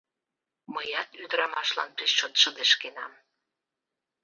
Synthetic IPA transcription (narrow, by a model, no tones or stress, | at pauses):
məjɑt̪yd̪əɾɑmɑʃlɑ̰npiʃʃot̪ʃəd̪eʃkenɑ̰m